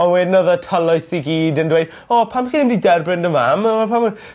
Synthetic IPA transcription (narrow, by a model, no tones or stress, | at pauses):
ɔnwɛdnɔðətʰəlˠɔɨsiɡiːdəndwejd̥̚ | ɔpʰamaxiðɪmdidɛrbrɪndəmaməapʰam